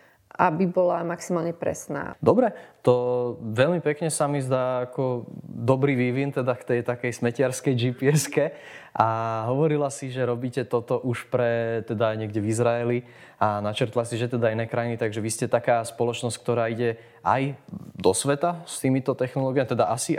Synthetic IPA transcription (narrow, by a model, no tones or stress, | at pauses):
ʔabibɔlamaksimaːlɲɛpɾɛ̰sna̰ːd̪ɔbɾɛt̪ɔʋɛʎmipɛkɲɛsamizd̪aːakɔd̪ɔbɾiːʋiʋint̪ɛd̪akt̪ɛjt̪akɛjsmɛcɪaɾskɛjd͡ʒipiɛskɛʔaɦɔʋɔɾilasiʒɛɾɔbiːcɛt̪ɔt̪ɔʔuʃpɾɛt̪ɛd̪aɲɪɛɡɟɛvizɾaɛli | anat͡ʃɛɾt̪lasiʒɛt̪ɛd̪ainɛːkɾainit̪aɡʒɛʋiscɛt̪akaːspɔlɔt͡ʃnɔsckt̪ɔɾaːiɟɛ | ʔa̰jd̪ɔsʋɛt̪ast̪iːmit̪ɔt̪ɛxnɔlɔːɡiamit̪ɛd̪aʔasi